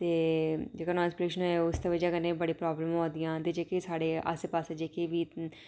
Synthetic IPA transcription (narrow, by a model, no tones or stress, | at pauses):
t̪eːd͡ʒeːkaːnãːnspɾeːʃənoeʊst̪eːʋəd͡ʒaːkənẽːbəɽĩːpɾɔːbləmɦõːd̪ijãːt̪eːd͡ʒeːkesaːɽeːʔa̰seːpaːseːd͡ʒeːkeːʋiː